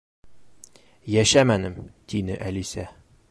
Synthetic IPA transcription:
jæʃæmænɘmt̪inɘʔælisæ

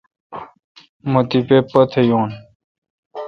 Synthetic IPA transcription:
mot̪ipepɐt̪ʰejõːn

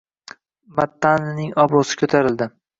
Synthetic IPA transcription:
mat̪ːannɪŋɒbɾʊsɪ̥kʰɵt̪ʰaɾɪld̪ɪ

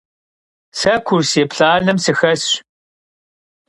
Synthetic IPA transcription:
sɐkʷʰʊrseːpɬaːɮɨmsɨxɐs

